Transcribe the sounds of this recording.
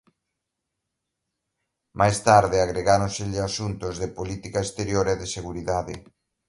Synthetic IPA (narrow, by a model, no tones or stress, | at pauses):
mʔajst̪aɾðɪaɣɾeɣaɾõnsɪʎɪasunt̪ʊzðɪpolit̪ikaest̪eɾjoɾɛðɪseɣuɾiðaðɪ̰